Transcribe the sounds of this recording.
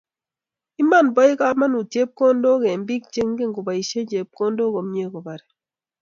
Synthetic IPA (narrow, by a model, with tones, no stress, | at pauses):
i˦ma˦˨nbɔ˦ɪ˦ka˦ma˦nu˨tje˦p̚ko˦ndo˦ke˨mbi˦k̚t͡ʃe˦ŋ˦ɡe˦ŋɡo˨ba˨i˨ʃe˦d͡ʒe˨p̚ko˦ndo˦ko˨mɲe˦ko˨ba˨ɾɛ˨